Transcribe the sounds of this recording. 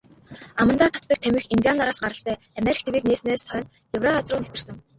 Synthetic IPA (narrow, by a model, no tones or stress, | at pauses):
amə̆nt̪aːt̪ʰɔ̥tt̪ə̆k̚t̪ʰæmʲɪ̆xinɡ̪ʲianaɾaːsɢaɾə̆ɬt̪ʰæː | amʲeɾikʰt̪ʰewiːkneːsneːssœːn | jɵwraat͡srʊːnet̪ɘ̆r̥sɘ̆ŋ